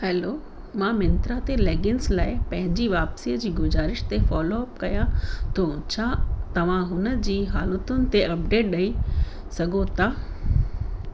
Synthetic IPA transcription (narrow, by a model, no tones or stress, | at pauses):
hɛːloː | mãmɪ̃nt̪ɾat̪eleːɡɪnslaːɪpɐ̃ɦɪ̃ɲd͡ʑiʋaːpsiːəd͡ʑiːɡʊzaːɾɪʃt̪efɔːloɐpkɐjãt̪oːt͡ɕʰaːt̪ɐʋ̤ãɦʊnəd͡ʑiːɦaːlət̪ʊnɪ̆t̪eɐp̚ɖeːʈ̚ɗɐi | sɐɡʱot̪aː